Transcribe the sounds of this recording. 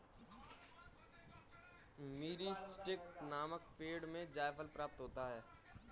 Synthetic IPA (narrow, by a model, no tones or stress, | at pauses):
miːɾisʈɪknaːmək̚peːɽmẽd͡ʒaːjpʰəlpɾaːp̚t̪ɦoːt̪aɦɛː